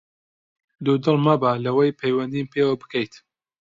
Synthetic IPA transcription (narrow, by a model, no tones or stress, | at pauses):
d̪ud̪ɨlˠmabalɐwɐjpʰejwɐnd̪impʰewɐbɨ̥kɐjt̪